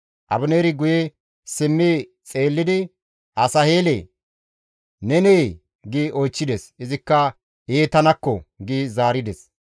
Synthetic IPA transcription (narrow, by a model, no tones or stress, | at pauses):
ʔɐ̰bʊneːɾɪɡʊje | sɪmːiː | t͡sʼeːlːɪd̪ɪ | ʔɐsɐhe̞ːlḛ | nɛneː | ɡiʔɔjt͡ʃːɪd̪ɛsɪzɪkːɐ | eːt̪ɐnɐkːɔɡizaːɾɪd̪ɛs